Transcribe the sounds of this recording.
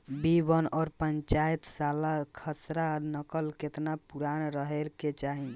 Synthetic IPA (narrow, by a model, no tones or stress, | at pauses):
bibənɔːɾpəɲt͡ʃajt̪salakʰəsɾanəkəlket̪napuɾanɾəɦelket͡ʃaɦin